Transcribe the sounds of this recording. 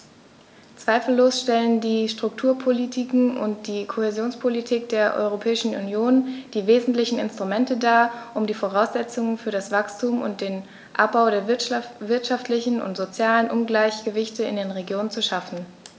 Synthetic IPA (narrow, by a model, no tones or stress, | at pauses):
t͡sv̥aɪfl̩ːoːsʃtɛləndiːʃtʁ̥ʊk̚tʰuːɐpʰolitʰikŋ̩ʊ̰nt̚d̥iːkʰohezjoːnspʰolitʰiːk̚d̥eːɐʔɔ̰ʏʁ̞opʰɛːɪʃn̩ṵnjoːnd̥iːveːzn̩tlɪçn̩ɪ̰nstʁ̥umɛntədaːɐʔʊmdiːfoʁ̞aʊsz̥ɛt͡sʊŋənfyːɐɾasv̥akstʰuːmʊ̰nt̚d̥eːn | ʔa̰p̚b̥aʊɾeːɐvɪɐtʃaftlɪçn̩ʊ̰ntz̥ot͡sjaːlənʔʊnɡlaɪçɡ̥əvɪçtəɪ̰ndeːnʁeɡjoːnənt͡suʃafn̩